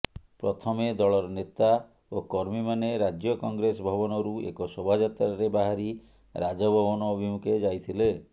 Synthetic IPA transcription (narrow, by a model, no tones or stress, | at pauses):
pɾɔt̪ʰɔmed̪ɔɭɔɾɔnet̪a | okɔɾmimaneɾad͡ʒjɔkɔŋɡɾesɔbʱɔbɔnɔɾuḛkɔsɔbʱad͡ʒat̪ɾaɾebaɦaɾi | ɾad͡ʒɔbʱɔbɔnɔːbʱimukʰed͡ʒajt̪ʰile